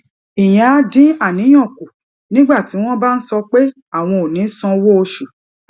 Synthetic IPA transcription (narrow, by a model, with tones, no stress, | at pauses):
i˨j̃ã˨a˧dĩ˦a˦˨nĩ˨˦j̃ɔ̃˦˨ku˨ | nĩ˦ɡ͡ba˦˨ti˨˦w̃ɔ̃˦ba˦n̩˦sɔ˧k͡pe˦ | a˦˨w̃ɔ̃˧o˨nĩ˨˦sɔ̃˧wo˦o˧ʃu˨